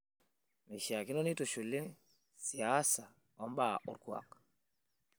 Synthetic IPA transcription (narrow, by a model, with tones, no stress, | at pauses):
me˨ʃja˨kɪ˦nɔ˦ni˦to˨ʃu˨li˦ | si˨a˦sa˨ | ɔ˦mba˦˨ʔṵ˨ɾkwa̰˨k